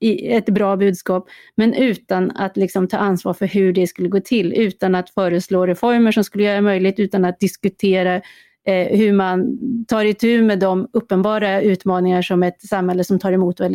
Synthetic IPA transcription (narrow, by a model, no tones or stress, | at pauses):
ɪɛt̪bɾɑːbʉ̟ːd̪skɑːpmɛnʔʉ̟ːt̪ana̰t̪lɪksɔmt̪ʰɑ̰ːansvɑ̰ːɾfœɾɦɵɖɛskɵlːəɡoːt̪ʰɪlːʉ̟ːt̪anat̪fœːɾəsloːɾɛfɔɾməʂɔmskɵlːəjœːɾamœjlɪɡt̪ʉ̟ːt̪anat̪̚d̪ɪskɵt̪ʰeːɾa | hɵmant̪ʰɑːɾɪt̪ʰʉ̟ːmɛd̪ɔmɵpːənbɑːɾaʉ̟ːt̪mɑːnɪŋaʂɔmɛt̪samhɛlːəsɔmt̪ʰɑːɾɛmuːt̪vɛl